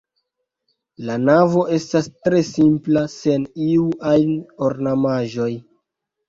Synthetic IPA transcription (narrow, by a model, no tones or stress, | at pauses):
lanavo̞ʔe̞stastɾe̞simplase̞niuʔajno̞ɾnamaʒo̞j